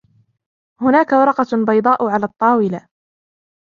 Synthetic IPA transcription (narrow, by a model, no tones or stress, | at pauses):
hʊnaːkawɑɾˤɑqɑbɑjd̪ˤɑːʔʊʕalaːt̪ˤːɑːwɪla